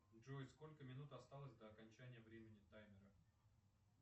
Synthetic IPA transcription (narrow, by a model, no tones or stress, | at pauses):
ʐojsko̞lʲkəmʲɪnut̪ɐst̪alˠəsʲd̪ɐɐkɐnʲt͡ɕænʲɪjəvɾʲemʲɪnʲɪt̪ajmʲɪɾə